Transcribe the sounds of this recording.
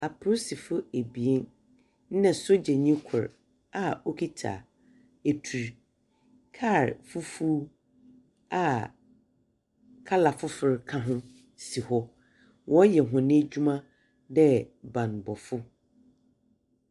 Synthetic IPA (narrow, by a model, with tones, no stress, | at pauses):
a˨pʰsi˨fʊ˦e˨bi˨e˦n˦ | nɛ̃˨sʊ˦d͡ʑɛ˨ɲĩ˦kʰʊ̰˨ɾ | a˨o˦kʰi˦tʰa̰˨ | e˨tʰu˨ɾ | kʰa˦˨ɾfu˦fu˦ | a˨ | kʰa˦la˨fʊ˦fɪ˨ɾkʰã˦ɦʊ̃˦ | si˨hɔ˦ | wʔɔ̃˦jɛ˨ɦʊ̃˨nɪ̃˦d͡ʑᶣu˦mã˦ | dɛ˦bã˨n˨bɔ˨fʊ˦